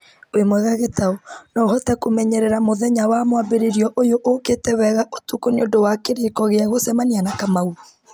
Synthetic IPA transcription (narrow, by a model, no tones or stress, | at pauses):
oemwɛɣaɣetaonɔɣhɔtɛkomɛɲɛɾɛɾamoðɛɲawamwabeɾeɾiɔʔojoʔoketɛwɛɣaʔotukoneodowakeɾekɔɣeaɣosɛmanianakamauɾo